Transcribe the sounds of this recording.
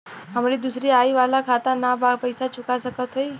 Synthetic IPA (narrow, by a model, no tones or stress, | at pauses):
ɦəmɾid̪usɾiaiʋalakʰat̪anabʱaɡpəjsat͡ʃukasəkət̪ɦəj